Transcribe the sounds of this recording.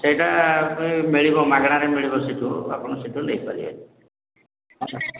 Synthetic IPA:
seɦiʈaimiɭibɔmaɡɽ̃aɾemiɭibɔsiʈua̰pɔɽ̃ɔsiʈunejpaɾiḛ | at͡ʃʰa

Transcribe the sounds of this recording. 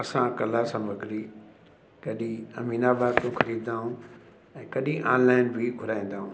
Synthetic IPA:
ɐsãkɐlasãmʱɐɡʱɾi | kɐɗĩɐmiːnabaːt̪ũxɐɾiːd̪d̪aːɦũ | ɛ̃ːkɐɗĩʔã̰ːnlaːɪnbʱɪɡʱʊɾaːĩːn̆d̪aːɦũː

